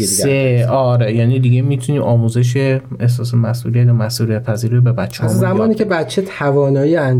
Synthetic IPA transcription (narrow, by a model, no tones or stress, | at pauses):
seɒːɾejæːniːd̪iɟemiːt̪ʰuniːʔɒːmuzeʃ̬eehsɒːs̬mæsʔuːlijæt̪jɒmæsʔuːlijæt̪̚pʰæziːɾibe̞bæt̪t͡ʃʰːeːmzææmɒːniːcʰe̞bæt̪t͡ʃʰet̪ʰævɒːnɒːieæn